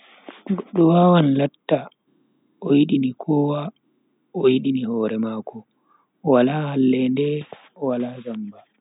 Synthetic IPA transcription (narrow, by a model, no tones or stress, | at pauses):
ɡɔɗːɔwaːwanlatːa | ʔɔjiɗinikʰɔːwa | ɔjiɗinihɔːɾɛmaːkɔ | walahalːɛndɛ | ɔwalazamba